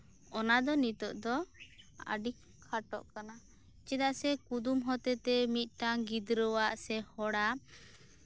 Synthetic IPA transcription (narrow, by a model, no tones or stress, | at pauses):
ɔnad̪ɔnit̪ɔʔd̪ɔ | a̰ɖikʰːaʈɔ̰ʔkana | t͡ʃɛd̪aʔsɛkud̪umɦɔt̪ɛt̪ɛmit̪̚ˀʈaŋɡid̪ɾɔwaʔsɛhɔɽa